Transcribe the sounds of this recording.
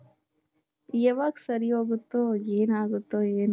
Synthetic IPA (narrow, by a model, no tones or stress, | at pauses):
jɛʋaksɐɾioːɡut̪ːoeːnaːɡut̪ːoeːnu